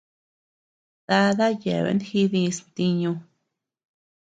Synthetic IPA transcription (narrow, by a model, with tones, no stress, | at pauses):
d̪̥a˧ða˦jḛ˨βḛ˧˦nxi˧ði˧st̪i˧ɲũ˧